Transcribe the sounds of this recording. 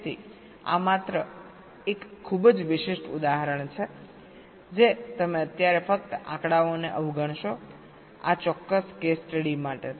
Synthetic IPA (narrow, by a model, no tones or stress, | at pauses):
t̪ʰḭ | a̰mat̪ɾə | ekʰːubd͡ʒʋɪʃɪʃʈṵd̪aɦəɾəɳt͡ʃʰe | d͡ʒet̪əmeət̪jaɾefək̚t̪ʔã̰kɽaoneʔəʋɡəɳ̃ʃo | a̰t͡ʃɔkːəskesʈəɽimaʈe